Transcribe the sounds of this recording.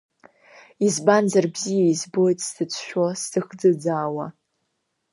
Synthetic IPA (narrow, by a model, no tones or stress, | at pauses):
izbanzarbzijaizbojtʼsdɨt͡sʷʰʃᶣostɨχd͡zɨd͡zaːwa